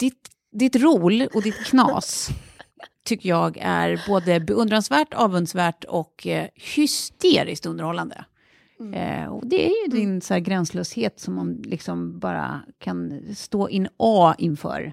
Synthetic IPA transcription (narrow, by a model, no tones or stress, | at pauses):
d̪̥ɪt̪ | d̪ɪt̪ɾuːlɔd̪ɪt̪kʰnɑ̰ːs | t̪ʰːʏkːəjɑːɡæ̰ɾboːd̪əbɛɵnd̪ɾansvæːʈɑːvɵnd̪svæːʈɔkʰhʏst̪eːɾɪskt̪ɵnd̪əɾhɔlːand̪ə̰ | ɔ̰d̪ɛæ̰ɾjɵd̪ɪnsɔhæːɾɡɾɛnsløːsheːt̪sɔmːanlʔɪksɔmbɑːɾa̰kʰanst̪oːʔɪnːʔɑːɪnfœ̰ːɾ